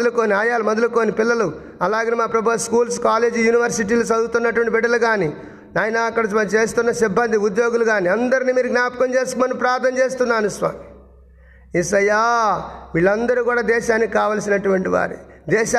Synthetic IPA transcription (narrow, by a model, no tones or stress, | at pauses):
ɐlukoːniaːjaːlumɐd̪ɐluko̞ːnipilːɐlu | ɐlaːɡɐnːemaːpɾɐbɐskuːls̬kaːle̞ːd͡ʒijuːniʋɐɾsiʈ̬iːlosɐd̪ut̪unːɐʈuʋɐɳʈibiɖːɐlɐɡaːni | naːjɐnaːɐkːɐɽɐɐt͡ʃe̞ːs̬t̪unːɐsibːɐnd̪ʱiud̪jo̞ːɡuluɡaːniɐnd̪ɐɾiniːmiːɾuɡnaːpkɐnt͡ʃe̞ːskmɐnupɾaːɾt̪ɐmt͡ʃe̞ːst̪unːaːnusʋa̰ːmi | isɐjːaːmiːɭːɐnd̪ɐɾukuːɽaːd̪ɛːʃaːnːiikaːʋɐːlsinɐʈuʋɐɳʈiʋa̰ːɾṵ | d̪ɛːʃa